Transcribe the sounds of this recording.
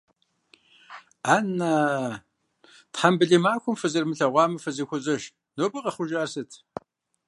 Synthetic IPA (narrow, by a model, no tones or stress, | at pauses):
aːna | tħambɨɮiːmaːxʷʊmfɨzɨrmɨɬɐʁʷɑːmɐfɨzixʷʊzʼɐʃ | noːbɨqɐχʷʊʒaːrsɨtʰ